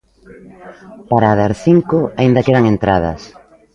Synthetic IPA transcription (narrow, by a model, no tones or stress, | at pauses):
paɾaːðaɾθiŋkʊaind̪ɐkeðaŋent̪ɾað̞ɐ̰s